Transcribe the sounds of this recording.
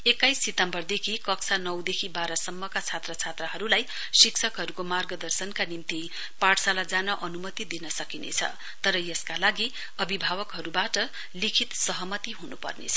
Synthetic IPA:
ekajsːit̪ʌmbʌrd̪ekʰikʌksʰanʌwd̪ekʰibaɾʌsʌmːʌkat͡sʰat̪rʌt͡sʰat̪rʌɦʌɾulaj | siksʰʌkɦʌɾukomarɡʌd̪ʌrsʌnkanimt̪i | paʈsalad͡zanʌʔʌnumʌt̪id̪inʌsʌkinḛt͡sʰʌ̰ | t̪ʌɾʌjʌskalaɡi | ʌbʱibʱawʌkɦʌɾubaʈʌ | likʰit̪sʌɦʌmʌt̪iɦunupʌ̰rnḛt͡sʰʌ̥

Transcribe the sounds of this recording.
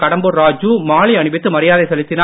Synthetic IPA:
kɐɽɐmbɯɾaːd͡ʒuːmaːɭiɐɳɯbɪt̪ːɯmɐɾɪjaːðɐɪsɛlɪt̪ːɪnaː

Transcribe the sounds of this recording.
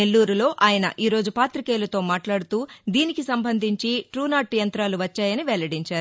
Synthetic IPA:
nelːuːɾulo̞ːʔaːjɐnɐ̰ʔiːɾoːd͡ʒupaːt̪ɾikeːlɐt̪o̞ːmaːʈlaːɽut̪uːd̪iːnikisɐmbʱɐnd̪ʱiɲt͡ʃiʈɾuːnaːʈːjɐnt̪ɾaːluʋɐt͡ʃːaːjɐniʋɛlɐɽiɲt͡ʃaːɾu

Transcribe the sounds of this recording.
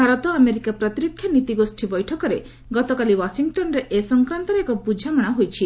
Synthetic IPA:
aɾɔt̪ɔameɾikapɾɔt̪iɾɔkʰːjɔnit̪iɡosʈʰibɔjʈʰɔkɔɾe | ɡɔt̪ɔkaliwasiŋɡʈɔnɾeʔesɔŋkɾant̪ɔɾeekɔpud͡ʒʱamɔɽ̃aɦojt͡ʃʰi

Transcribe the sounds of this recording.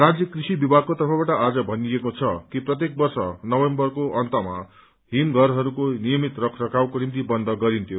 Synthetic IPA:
rad͡zjʌkrisibibʱaɡ̚kot̪ʌrpʰʌbaʈʌʔad͡zʌbʱʌnijekot͡sʰʌkiprʌt̪̬jek̚bʌrsʌnʌwembʌrkoʔʌnt̪ʌma̰ | ɦinɡʱʌɾɦʌɾukonijʌmit̪rʌkʰrʌkawkonimt̪̬ibʌnd̪ʱʌɡʌɾint̪ʰjo

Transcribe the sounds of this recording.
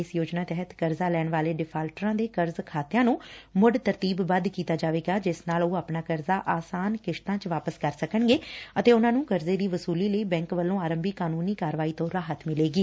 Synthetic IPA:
ɪsjoːd͡ʒnaːt̪ɛɦət̪kəɾzaːlɛːɳʋaːleːɖɪpʰaːlʈɾãːd̪eːkəɾzkʰaːt̪jãːnũːmʊɖt̪əɾt̪iːbːəd̪kiːt̪aːd͡ʒaːʋeːɡaːd͡ʒɪsnaːloːaːpnaːkəɾzaːʔaːsaːnkɪʃt̪ãːt͡ʃʋaːpəskəɾsəkəɳɡeːət̪eːʊnãːnũːkəɾzeːd̪iːʋəsuːliːləiːbɛ̃ːŋkʋəlːõːaːɾəmbiːkaːnuːniːkaːɾʋaːiːt̪õːɾaːɦət̪mɪleːɡiː

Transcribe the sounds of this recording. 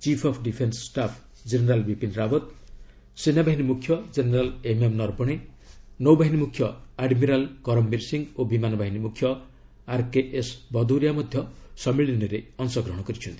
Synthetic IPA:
t͡ʃipʰɔpʰɖipʰenssʈapʰ | d͡ʒeneɾalbipinɾabɔt̪ | sinːabaɦinimukʰjɔd͡ʒeneɾalememnɔɾbɔɽ̃e | nɔwbaɦinimukʰjɔaɖmiɾalkɔɾɔmːiɾsiŋɡobimanɔbʱaɦinimukʰjɔ | aɾkeʔesbɔd̪uwɾijamɔd̪ʱjɔsɔmiɭinɔɾeɔnsɔɡɾɔɦɔɽ̃ɔkɔɾit͡ʃʰɔnt̪i̥

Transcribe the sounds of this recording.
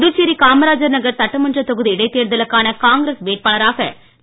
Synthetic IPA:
ðɯt͡ʃːiɾikaːmɐɾaːd͡ʒɐɾnɐɣɐɾsɐʈːɐmɐndrɐt̪ɔɣɯðiɪɽɐɪt̪ːeːɾðɐlɯkːaːnɐkaːŋɡɪɾeːsʋeːʈ̚paːlɐɾaːɣɐ

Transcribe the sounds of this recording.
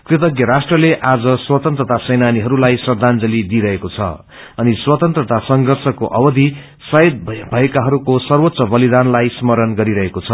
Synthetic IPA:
krit̪ʌɡjʌɾasʈrʌleʔad͡zʌswʌt̪ʌnt̪rʌt̪asʌjnaniɦʌɾulajsʌrd̪ʱand͡zʌlid̪iɾʌɦekot͡sʰʌ̰ | ʌniswʌt̪ʌnt̪rʌt̪asʌŋɡʱʌrsʌkoʔʌbʌd̪ʱi | sʌed̪̚bʱʌekaɦʌɾukosʌrwot̪sʌbʌlid̪anlajsmʌɾʌnɡʌɾiɾʌɦekot͡sʰʌ

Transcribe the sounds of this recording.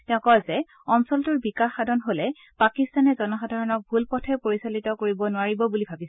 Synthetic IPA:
tɛʊ̃kɔjzɛ | ɔmsɔltʊɹbikaxadʱɔnɦolɛ | pakistanɛzɔnɔxadʱaɹɔnɔk̚bʱulpɔtʰɛpoɹisalitɔkoɹibɔnʊaɹibɔbulibʱabisɛ

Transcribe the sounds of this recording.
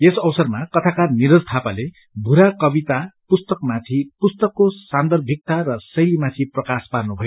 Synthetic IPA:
esʌwsʌrmakʌt̪ʰakarniɾʌrt̪ʰapale | bʱuɾakʌbit̪apust̪ʌkmat̪ʰipust̪ʌkːosand̪ʌrbʱik̚t̪arʌsʌjlimat̪ʰiprʌkasparnubʱʌjo

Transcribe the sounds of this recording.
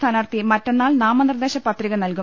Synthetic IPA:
t̪ʰaːnaːrt̪imɐtːe̞nːaːlnaːmɐnird̪eːɕɐpɐt̪riɣɐnɐlku

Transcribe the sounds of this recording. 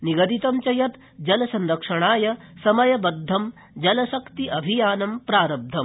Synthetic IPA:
niɡɐd̪it̪ɐmt͡ʃɐjɐt̪ | d͡ʒɐlɐsɐnɾɐkʂɐɳ̃aːjɐsɐmɐjɐbɐd̪ʱːɐm | d͡ʒɐlɐʃɐkt̪iʔɐbʱijaːnɐmpɾaːɾɐb̚d̪ʱɐm

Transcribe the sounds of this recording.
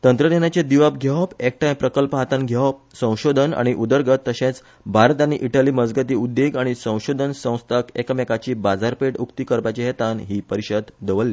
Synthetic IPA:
t̪ənt̪ɾənenjat͡ɕed̪iʋap̚ɡʱɛʋpek̚ʈajmpɾəkəlpəɦat̪ãnɡʱaʋp̚sə̃w̃ɕod̪ʱəna̰ɽ̃iʔud̪əɾɡət̪ːəɕẽt͡s | bʱaɾt̪ãniʔiʈəliːməd͡zɡət̪̬iːud̪ːeɡaɽ̃isə̃w̃ɕod̪ʱənsə̃w̃st̪ʰakekəmɛkat͡ɕiːbad͡zaɾpeʈukt̪ikəɾpat͡ɕeɦet̪anɦiːpəɾiɕəd̪d̪əʋəlːi

